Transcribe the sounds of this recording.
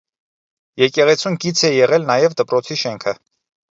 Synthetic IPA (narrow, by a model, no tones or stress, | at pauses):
jɛkɛʁɛt͡sʰumkit͡sʰɛjɛʁɛlnɑjɛvd̪əpɾɔt͡sʰiʃɛŋkʰə